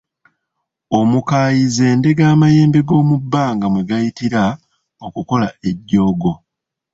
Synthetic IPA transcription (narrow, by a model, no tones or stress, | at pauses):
o̞mukaːjize̞ːnde̞ɡaːmaje̞ːmbe̞ɡo̞ːmubːaːŋɡamwe̞ɡajitiɾa | o̞kuko̞lae̞ɟːo̞ːɡo̞